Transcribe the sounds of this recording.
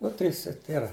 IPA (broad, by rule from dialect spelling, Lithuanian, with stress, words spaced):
ˈnʊ ˈtʲrʲiːs ɪr ˈtʲeːrɐ